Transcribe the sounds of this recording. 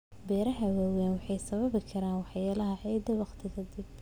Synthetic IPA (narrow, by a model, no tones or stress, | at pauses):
bɛːɾɐɦɐwaːwɛːnwɑħɑjsɐβɐβɪkʰɐɾaːnwɑħjaːlɐɦɐʕɑjd̪ɐwɑqt̪ʰɪɣɐd̪ɪb